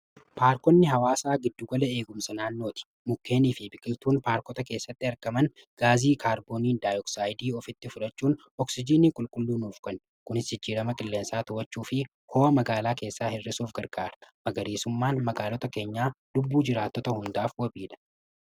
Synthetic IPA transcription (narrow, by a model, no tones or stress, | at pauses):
paːɾkɔnːɪɦɐwaːsaːɡɪd̪ːʊɡɐlɐe̞ːɡʊmsɐnaːnːo̞ːt̪ɪ̥ | mʊkːe̞ːniːfɪbɪkʼɪt̪uːnpaːɾkɔt̪ɐke̞ːsːɐt̪ːɪɐɾkɐmɐn | ɡ̥aːziːkʰaːɾboːniːnd̪aːjɔksaːjd̪iːɔfɪt̪ːɪfʊᶑɐt͡ʃːuːn | ɔksɪd͡ʒiːniːkʼʊlkʼʊlːuːnuːfkɐn | kʊnɪshɪd͡ʒːiːɾɐmɐkʼɪlːe̞ːnsaːt̪ʊwɐt͡ʃːuːfɪ | hoːʔɐmɐɡaːlaːke̞ːsːaːhɪrːɪsuːfɡɐɾɡaːɾɐmɐɡɐɾiːsʊmːaːnmɐɡaːlɔt̪ɐke̞ːɲːaːlʊbːuːd͡ʒɪɾaːt̪ːɔt̪ɐhʊnd̪aːfwɐbiːᶑɐ̥